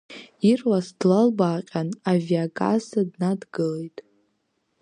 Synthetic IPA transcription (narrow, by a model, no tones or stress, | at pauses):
irwasd̥lalbaːqʲʼanaviakʼa̰zadnadɡɨlejtʼ